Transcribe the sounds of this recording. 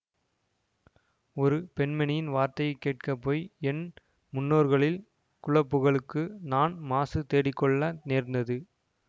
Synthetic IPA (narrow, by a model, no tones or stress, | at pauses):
ɔɾɯpɛɳmɛnɪjɪnʋaːɾt̪ɐjɐɪkːeːʈ̚kɐpːoːjɛn | mʊnːoːɾɣɐɭɪl | kʊɻɐpːɯɣɐɭɯkːɯnaːnmaːsɯt̪eːɽɪkːɔɭːɐneːɾnd̪ɐðɯ